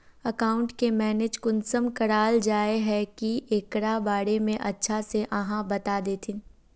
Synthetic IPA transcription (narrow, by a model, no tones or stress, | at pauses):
ɐkaːʊ̃ɳʈkemɛːneːd͡ʒkʊnsəmkɐɽaːld͡ʒaːeɦɛkiʔeːkɾabaːɽemẽʔɐtːʃʰaseʔɐɦãbɐt̪aːd̪eːt̪ʰɪn